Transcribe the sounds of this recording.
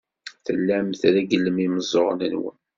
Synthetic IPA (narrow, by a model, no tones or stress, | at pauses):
θəlːæmθɾæɡəlːəmiməzˤoɾnənwə̰n